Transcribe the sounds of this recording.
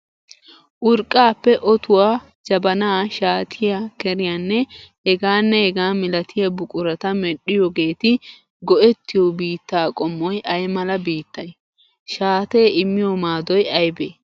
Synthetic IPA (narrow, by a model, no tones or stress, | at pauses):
ʔʊɾkʼːaːpːɛʔɔt̪ʊwaː | d͡ʒɐbɐnaːʃaːt̪ʰɪjakɛɾɪjaːnːɛhɛɡaːnːɛhɛɡaːmɪlɐt̪ʰɪjɐbʊkʼʊɾɐt̪ɐmɛɗːɪjɔɡe̞ːt̪ɪ | ɡɔɛt̪ːɪjɔbiːt̪ːaːkʼɔmːɔjʔɐjmɐlɐbiːt̪ːɐj | ʃaːt̪e̞ːɪmːɪjɔmaːd̪ɔjɐjbeː